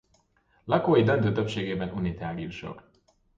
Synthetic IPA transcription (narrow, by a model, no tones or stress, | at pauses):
lɒkoːjid̪ønt̪øːt̪øpʃeːɡeːbɛnuniːt̪aːɡiuʃɒ̰k